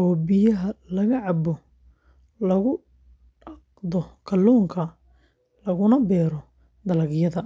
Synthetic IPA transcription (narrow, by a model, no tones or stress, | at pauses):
ɔːbɪjɐɦɐlɐɣɐʕɑbɔ | lɐɣʊ | ɖɑqd̪ɔkʰɐluːŋkʰɐ | lɐɣʊnɐbɛːɾɔ | d̪ɐlɐɣjɐðɐ